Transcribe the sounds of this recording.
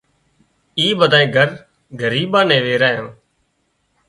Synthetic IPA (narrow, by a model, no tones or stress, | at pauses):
iːɓəd̪ʱaːẽːɡʱəɾ | ɡʱəɾiːɓãːnɛ̃ːʋeːɾaːjã̰ː